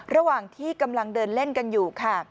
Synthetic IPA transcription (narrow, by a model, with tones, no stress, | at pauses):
ɾa˧waː˨˩ŋt̪ʰiː˥˩ka˧mla˧ŋdɤː˧nle˥˩nka˧njuː˨˩kʰa˥˩